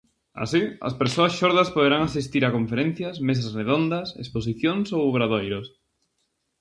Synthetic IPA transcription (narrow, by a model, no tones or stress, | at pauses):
a̰siɐ̰speɾsoɐsʃoɾðɐspoðeɾaŋasist̪iɾakoɱfeɾẽn̟θjɐsmes̬ɐsreðond̪ɐsḛspos̬iθjoŋsowβɾaðojɾos